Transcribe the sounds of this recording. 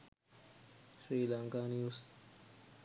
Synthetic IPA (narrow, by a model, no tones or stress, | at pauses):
sɾiːlãŋkaːniust̪